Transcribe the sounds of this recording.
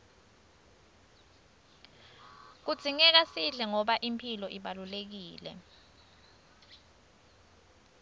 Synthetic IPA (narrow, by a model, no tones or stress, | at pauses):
k̬ud̥z̥ʱiŋɛk̬asiɮɛŋɔɓaʔimpʰilɔʔiɓalulek̬iːlɛ̰